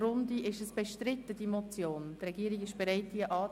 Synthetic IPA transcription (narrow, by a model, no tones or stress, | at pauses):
rʊndiʔɪʃəsb̥ɛʃtɾɪt̪əd̥imɔt͡sjoːnd̥əɾɛɡiːɾiɡɪʃb̥eɾɛɪt̚d̥iəʔɑː